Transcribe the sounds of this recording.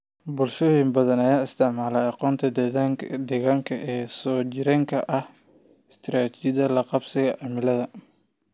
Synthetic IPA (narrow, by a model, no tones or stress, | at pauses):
bʊlʃɔːjɪmbɐðɐnɐjaːɪst̪ʰɪʕmaːlɛɑqɔːnt̪ʰɐd̪ɛðaŋd̪ɛɣaːŋkʰɐʔɛːsɔːt͡ʃɪɾɛŋkʰɐʔɐh | ɪst̪ʰɾaːt̪ʰt͡ʃɪðɐlɐqɑbsɐɣɛʕɑmɪlɐðɐ